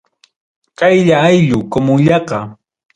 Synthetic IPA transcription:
kajʎaːjʎʊkomʊŋʎɑqɑ

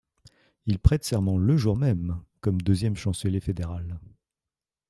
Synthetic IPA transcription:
ilpχɛt̪sɛʁmɑ̃ləʒuʁmɛmkɔmd̪øzjɛmʃɑ̃səljefed̪eʁal

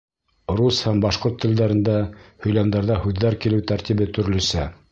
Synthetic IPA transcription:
ɾushæmbɑʃqoɾt̪ʰːɘ̆ld̪æɾɘ̆nd̪æhɵ̆jlæmd̪æɾðɑhʉðːæɾkilɘwt̪æɾt̪iβɘt̪ɵ̆ɾ̆lɵ̆sæ

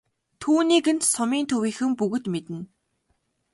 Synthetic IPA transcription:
t̪ʰuːniːkɘ̆nsʊmiːnt̪ʰɵwiːxɘ̆mpɵɣɵ̆t̪met̪ɘ̆n

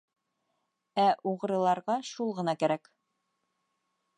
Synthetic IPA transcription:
æʔuʁɤ̆ɾɤ̆lˠɑɾʁɑʃulˠʁɤ̆nɑkæɾæk

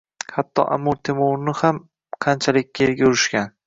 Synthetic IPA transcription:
hat̪ʰːɒ̰ʔa̰mːoɾt̪ʰemoɾnɪham | qʰɑnt͡ʃʰalɪkʲːajelɡʲaʊɾɪʃkʲan

